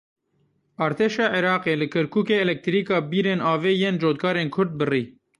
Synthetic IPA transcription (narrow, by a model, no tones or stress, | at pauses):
ɑːɾt̪ʰeːʃɑːʕiɾɑːqeːlɨkʰɐɾkʰuːkeːɛlɛk̚t̪ɾiːkɑːbiːɾeːnɑːveːjeːnd͡ʒoːt̪kʰɑːɾeːnkʰʊɾd̪̚bɨriː